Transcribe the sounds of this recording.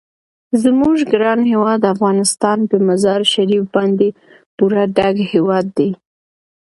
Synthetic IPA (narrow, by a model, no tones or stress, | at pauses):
zmuʒɡɾɑnɦewɑd̪afɣɑnɪst̪ɑnpəmazɑɾʃaɾifbɑnd̪e | puɾaɖaɡhewɑd̪ːaj